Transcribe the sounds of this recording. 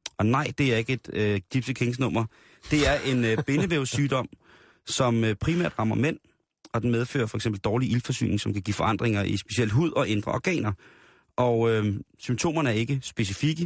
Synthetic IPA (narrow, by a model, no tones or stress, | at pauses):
ɒ̽nɑ̈ɪ̰d̥e̝æɐe̝ɡ̥əe̝d̥ød̥ib̥səkʰeŋsnɔ̽m̰ɐ | d̥e̝æɐʔe̝nb̥e̝nəʋeʊsyːd̥ɒ̽m̰ | sɒ̽møpʰʁimæɐd̥ʁɑ̈mɐmen̰ | ɒ̽d̥enmeð̞ˠfø̰ːɐfɒ̽eɡ̥semb̥l̩d̥ɒːliʔilfɒ̽sy̰ːne̝ŋsɒ̽mkʰæɡ̥ḭːfɒ̽ɑ̈n̰d̥ʁeŋɐʔisb̥e̝siel̰d̥ɦuð̞̰ˠɒ̽ʔend̥ʁɐɒɡ̥ɛ̰ːnɐ | ʔɒʊøsymt͡sʰo̝̰ːmɐnəæɐe̝ɡ̥əsb̥e̝s̬ifiɡ̥ə